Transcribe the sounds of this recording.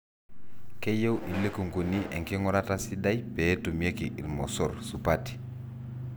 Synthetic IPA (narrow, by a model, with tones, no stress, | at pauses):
ke˦je˦wʔi˨lːe˦ku˨ŋku˨ni˦ʔḛ˨ŋke˦ŋɔ˦ɾa˦tasi˦da˦jpe˨˦tu˨m˦e˦kiʔi˨lmɔ˨sɔ˦ɾsupati̥